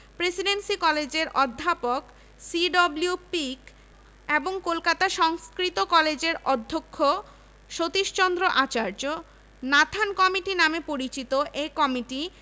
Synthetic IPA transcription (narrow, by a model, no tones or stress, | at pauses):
pɾesiɖensikɔled͡ʑeɾʔɔd̪ʱːapok | siɖɔbljupik | eboŋkolkat̪aʃɔŋskɾit̪okɔled͡ʑeɾʔɔd̪ʱːokʰːo | ʃot̪iʃt͡ɕɔnd̪ɾoʔat͡ɕaɾd͡ʑo | nat̪ʰankɔmiʈinamepoɾit͡ɕit̪oʔekɔmiʈi